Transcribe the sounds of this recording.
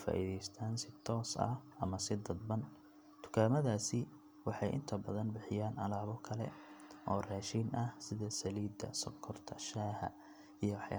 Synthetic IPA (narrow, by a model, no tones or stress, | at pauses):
fa̰ːʔiðɛjst̪ʰaːnsɪt̪ʰɔːsɐ̰hɐ̰mɐsɪd̪ɐd̪̚bɐn | t̪ʰʊ̥kʰaːmɐðaːsɪ | wɑħɑjʔɪ̰nt̪ʰɐbɐðɐnbɪħɪjaːnɐlaːβɔkʰɐlɛ̰ʔɔːraːʃinʔɐhsɪðɐsɐliːd̪ɐ̰sɔkʰɔrt̪ʰɐʃaːhɐ̰ | ijɔwħja̰